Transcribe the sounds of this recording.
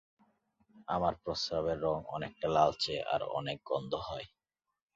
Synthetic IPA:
amaɾpɾost̪aβeɾːɔŋɔ̰nek̚ʈalalt͡ɕʰeʔa̰ɾɔ̰nek̚ɡɔnd̪ʱoɦɔe

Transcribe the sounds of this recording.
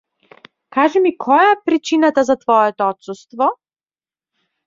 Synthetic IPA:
kaʒɛmikʰɔjaɛpɾit͡ʃinat̪azat̪vɔɛt̪ɔɔt̪sust̪vɔ

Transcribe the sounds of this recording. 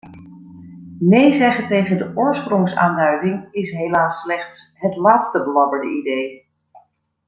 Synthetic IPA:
nejzɛχətejχəndəʔʊːɹsprʊŋsa̰ːndœɥdɪŋɪsɦelaːsːlɛχtsɦətlaːtstəbəlɑbəɹdə̰ʔidej

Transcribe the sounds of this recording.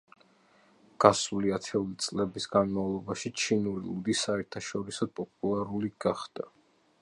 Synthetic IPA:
ɡ̥asuliat̪ʰɛulit̪sʼlɛbisɡanmavlˠɔbaʃit͡ʃʰinuɾilud̪isaɛɾt̪ʰaʃɔɾisɔd̪̚pʼɔpʼulˠaɾuliɡaχd̪̥a

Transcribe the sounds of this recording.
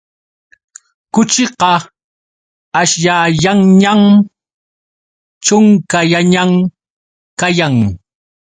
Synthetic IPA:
kʊt͡ʃɪqɑ | aʃjaːjaŋɲam | t͡ʃʊŋkajaɲam | kajaŋ

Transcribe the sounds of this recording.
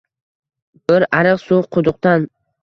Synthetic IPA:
b̥ɪɾaɾɨqsʊqʰʊd̪ʊq̚t̪an

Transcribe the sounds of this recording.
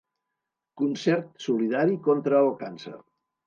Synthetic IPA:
kunsɛɾt̪suliðaɾikont̪ɾəːlˠkansə̰r

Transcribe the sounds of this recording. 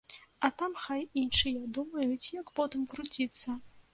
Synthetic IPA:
ɐt̪amxajinʂɨjad̪umɐjut͡sʲjɐkpɔt̪ɨmkɾut͡sʲit̪sːɐ

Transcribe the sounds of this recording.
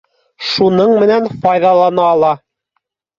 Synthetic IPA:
ʃunɤɴmɘ̆nænfɑjðɑlˠɑnɑːlˠɑ

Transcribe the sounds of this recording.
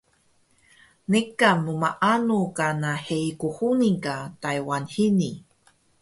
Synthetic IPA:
nekːamumaʔanukanahejkuhuniŋkatajwanhini

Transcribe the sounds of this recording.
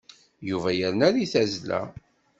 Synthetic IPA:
juvæjəɾnæɾiθæzlæ̰

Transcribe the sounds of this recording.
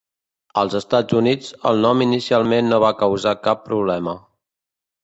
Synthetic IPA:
əlˠzəst̪ad͡zunid͡zə̰lˠnɔminisialˠmenːoβakəwzakapːɾuβlɛmə

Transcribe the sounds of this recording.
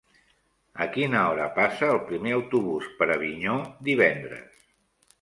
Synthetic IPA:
əkinəɔɾə̰pasəːlˠpɾimeəwt̪uβuspəɾəβ̞iɲod̪iβ̞ɛnd̪ɾə̰s

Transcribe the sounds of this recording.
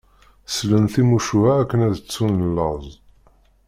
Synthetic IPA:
slənθimuʃuhæːkːənæðt͡sːunəlːəʁzˤ

